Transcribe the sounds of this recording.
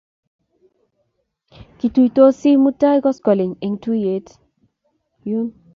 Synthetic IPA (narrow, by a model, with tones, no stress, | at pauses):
ki˨tu˨jto˦si˦mu˦ta˦i˦kɔ˦skɔ˨lɪ˨ŋe˨ŋti˦e˨t | ju˦n